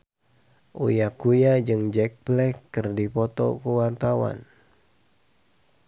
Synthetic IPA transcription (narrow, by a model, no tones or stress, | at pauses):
ʔujakujad͡ʒɨŋd͡ʒɛk̚blɛkːɨrdipɔt̪ɔ̰kuwart̪awa̰n